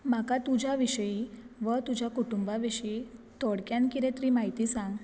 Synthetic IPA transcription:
makat̪ud͡ʑʱjaʋiɕəjiʋət̪ud͡ʑʱakuʈumbaʋiɕəit̪ɔɽkjankiɾet̪ɾimaɦit̪iːsãŋɡ

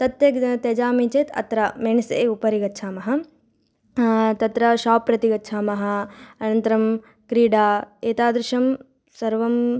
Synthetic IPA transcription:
t̪ɐt̪jɐt̪ed͡ʒaːmit͡ʃeːt̪ʰɐ̰t̪ɾɐmeːɳisḛːupɐɾiɡɐːʃʰaːmɐɦɐ | t̪ɐt̪ɾɐʃaːpːɾɐt̪iɡɐtːt͡ʃʰaːmɐɦɐ̆ɐnɐnt̪ɐɾɐm | kɾiːɖaːeːt̪aːd̪ɾɪʃɐm | sɐɾʋɐm

